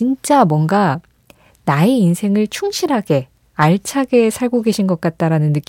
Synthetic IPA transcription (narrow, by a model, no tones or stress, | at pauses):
int͡ɕ͈amwʌŋɡa | naeinsʰe̞ŋɯɭt͡ɕʰuŋɕʰiɾɦaɡe̞ | aɭt͡ɕʰaɡe̞sʰaɭɡoɡe̞ɕʰinɡʌk͈at̚t͈aɾanɯnːɯk͈